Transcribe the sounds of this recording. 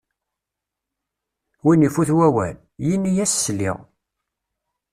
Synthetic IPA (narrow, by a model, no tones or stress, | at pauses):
winifuθwæwæl | jinːijæsːəlːḭʁ